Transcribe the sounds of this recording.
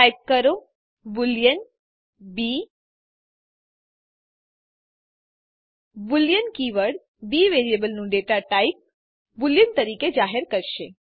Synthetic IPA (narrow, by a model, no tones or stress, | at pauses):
ajp̚kəɾo | buljən | bi | buljənkiʋəɾɽ | biʋeɾiebəlnũɖeʈaʈajp̚ | buljənt̪əɾiked͡ʒaɦeɾkəɾʃe